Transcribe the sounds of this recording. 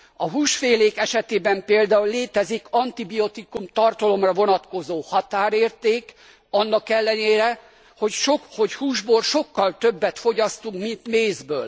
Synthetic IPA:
ɒɦuːʃfeːleːkɛʃɛt̪eːbɛmpeːld̪aːulːeːt̪ɛzikɒnt̪ibijo̞t̪ikumt̪ɒrt̪ɒlo̞mrɒvo̞nɒt̪ko̞zoːhɒt̪aːɾeːrt̪eːk | ɒnːɒkɛlːɛneːɾɛ | hocʃoho̞chuːʒboːlʃo̞kːɒlt̪øbːɛt̪fo̞ɟɒst̪uŋkmint̪meːzbø̰ːl

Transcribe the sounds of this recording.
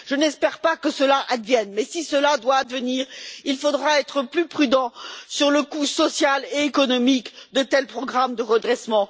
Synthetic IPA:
ʒ̥ənɛspɛʁpakəsəlaʔad̪vjɛnmɛsisəlad̪waːd̪vəniːʁilfod̪ʁaɛt̪χəplypχyd̪ɑ̃syʁləkusɔsjaleekɔnɔmikd̪ət̪ɛlpχɔɡʁamd̪əʁəd̪ʁɛsmɑ̃

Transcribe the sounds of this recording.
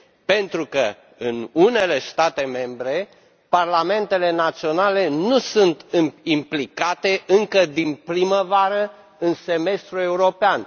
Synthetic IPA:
pe̞nt̪ɾukə | ɨnune̞le̞st̪at̪e̞me̞mbɾe̞ | parlame̞nt̪e̞le̞nat̪sio̞nale̞nusunt̪ɨmimplikat̪e̞ʔɨŋkəd̪inpɾiməvaɾə | ɨnse̞me̞st̪ɾue̞uɾo̞pean

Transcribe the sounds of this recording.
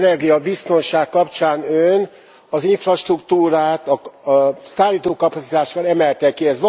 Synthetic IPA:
nɛrɡijɒbist̪o̞nʃaːkkːɒpt͡ʃaːnøn | ɒziɱfrɒʃt̪rukt̪uːɾaːt̪ɒ | saːlːiːt̪oːkɒpɒt̪sit̪aːʃʋɒlɛmɛlt̪ɛkiɛzʋ

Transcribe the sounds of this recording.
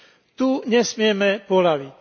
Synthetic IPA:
t̪uɲɛsmɪɛmɛpɔlaʋic

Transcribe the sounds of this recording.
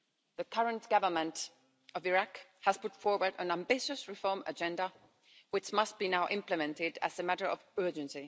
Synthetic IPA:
ðɨkʰʌɹə̃ntɡ̥ʌvə˞mə̃nt | ʌvɪɹakhəz̥pʊtfɔɹwə˞də̃næ̃mbɪʃɨsɹɪfɔɹmə̰d͡ʒɛ̃ndə | wɨt͡ʃmʌst̚b̥inaʊʔɪ̃mplɨmɛ̃ntɪdɨ̰zɨmæɾə˞ʌ̰vɜ˞d͡ʒɨ̃nsi

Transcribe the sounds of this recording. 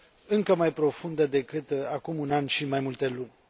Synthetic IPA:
ɨŋkəmajpɾo̞fund̪əd̪e̞kɨt̪akumunanʃimajmult̪e̞lunʲ

